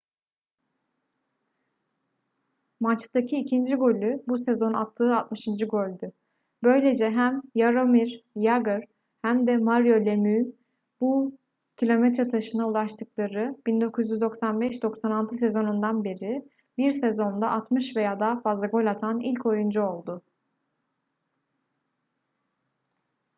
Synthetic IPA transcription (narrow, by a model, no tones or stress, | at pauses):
mat͡ʃd̪acʰiːcʰind͡ʒiɡo̞lʲybusezo̞na̰t̪ʰːɯːat̪̚mɯʃɯnd͡ʒɯɡo̞lʲd̪y | bø̞jlʲe̞d͡ʒɛɦæmjaɾomiɾjaɡɯɾ | hæmd̪ɛmaɾjo̞lʲemyː | bu | cʰilʲo̞mɛt̪ɾɛt̪ʰaʃɯnaulˠaʃt̪ʰɯklˠaɾɯb̥ind̪o̞kʰuzjyzd̪o̞ksanbɛʃd̪o̞ksanalˠt̪ʰɯse̞zo̞nund̪anbeɾi | biɾsezo̞nd̪aʔat̪mɯʃve̞jaːd̪aɦafazlˠaɡo̞lʲat̪ʰanilʲcʰo̞jund͡ʒao̞lˠd̪ʊ